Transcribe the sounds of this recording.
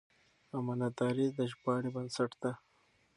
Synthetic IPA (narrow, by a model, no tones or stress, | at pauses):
amanat̪ɑɾid̪əʒbɑːɽibɐnsaʈd̪a